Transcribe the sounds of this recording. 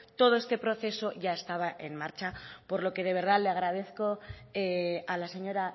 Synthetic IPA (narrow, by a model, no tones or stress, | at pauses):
t̪o̞ð̞o̞est̪e̞pɾo̞θe̞so̞ʝaest̪aβ̞aʔe̞̰nmaɾt͡ʃapo̞ɾlo̞ke̞ð̞e̞βe̞ɾð̞aleaɣ̞ɾað̞e̞θko̞ealaseɲo̞ɾa